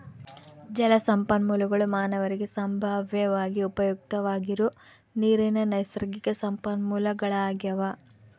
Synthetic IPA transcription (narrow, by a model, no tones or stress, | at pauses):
d͡ʒɐlɐsɐmpɐnmuːlɐɡɐɭumaːnɐʋɐɾiɡesɐmbʱaːʋjɐʋaːɡiupɐjuk̚t̪ɐʋaːɡiɾu | niːɾinɐnɐjsɐɾɐɡikɐsɐmpɐnmuːlɐɡɐɭɐaːɡjɐʋa